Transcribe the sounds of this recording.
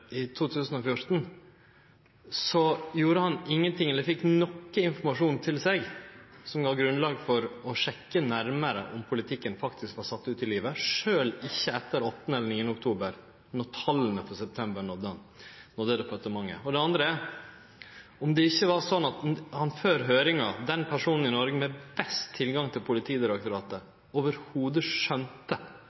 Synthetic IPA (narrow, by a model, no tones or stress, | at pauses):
ɪt̪ʰuːt̪ʰʉːsən̩ɔfjʊɾt̪n̩ | sɔjuːɾəhɑnɪŋːənt̪ʰɪŋːɛlːfɪkːnɔkːəɪnfɔɾmɑʂuːnt̪ʰɪlsɛɡsɔmɡɑːɡɾʉnlɑːɡfɔɾɔʂɛkːənæɾməɾə̰ʔɔmpʰʊlɪt̪ʰɪkːənfɑkt̪ʰɪskʋɑːɾsɑt̪ːʉːt̪ɪliːʋəʂøːlɪçːəɛt̪ːəɾɔt̪ːənəɛlːəɾɳiːənʊk̚t̪ʰuːbəɾ | nɔɾt̪ʰɑlːənəfɔsɛp̚t̪ʰɛmbəɾɳɔd̪ːəɑn | nɔd̪əd̪ɛfɔt̪ːəmɑŋːə̰ɔd̪ɛɑnd̪ɾəæɾ | ɔmd̪ɛɪçːəʋɑɾsɔnːɑt̪hɑnføːɾɦøːɾɪŋɑd̪ɛnpʰæʂuːnn̩ɪnɔɾɡəmɛbɛst̪ʰːɪlɡɑŋt̪ʰɪlpʰʊlɪt̪ʰiːd̪ɪɾɑk̚t̪ʊɾɑːt̪ə | oːʋəɾhuːd̪əʂœnt̪ə